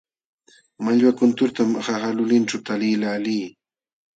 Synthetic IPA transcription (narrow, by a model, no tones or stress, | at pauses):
maʎwakʊnt̪ʊɾt̪amhaxalʊlɪnʈ͡ʂawt̪aliːlaliː